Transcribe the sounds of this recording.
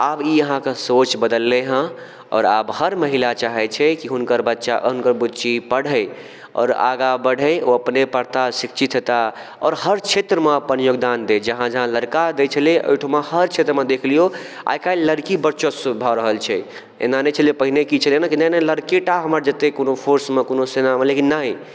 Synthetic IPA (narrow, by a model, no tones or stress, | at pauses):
abiəɦãkesot͡ʃbəd̪əlːeɦə̃ | ɔ̰ːɾabhəɾməɦilat͡ʃaɦɛt͡ʃʰɛkiɦunkəɾbətːʃa̰ɦunkəɾbutːt͡ʃipəɽ̤əj | ɔ̰ːɾa̰ɡabəɽ̤ʱəoəpnepəɾt̪asikt͡ʃʰit̪t̪a | ɔ̰ːɾhəɾt͡ʃʰet̪ɾəmeəpənjoɡd̪and̪ed͡ʒəɦãd͡ʒəɦãləɾkad̪et͡ʃʰəleʔo̰jʈʰomehəɾt͡ʃʰet̪ɾəmẽd̪ekʰlijo | a̰jkailləɽkibəɾt͡ʃosubʱaɾəɦəlt͡ʃʰɛ | ḛnanəjt͡ʃʰəlepəɦinekit͡ʃʰəlenakinenaləɾkeʈaɦəməɾd͡ʒət̪ekonopʰoɾsmekonosenamelekinːai